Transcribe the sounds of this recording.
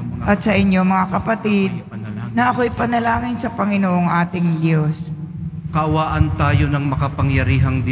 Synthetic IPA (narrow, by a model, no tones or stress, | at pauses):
ʔɐt̪̚sɐʔɪɲːo̞mɐŋakɐpɐt̪ɪd̪̚ | nɐʔɐko̞ɐjpɐnɐlaːŋɪnsɐpɐŋɪnoːʔoŋʔaːt̪ɪŋd̪jos | kɐʔɐwaːʔɐnt̪aːjonɐŋmɐkɐpɐŋjɐɾiːɦɐŋd̪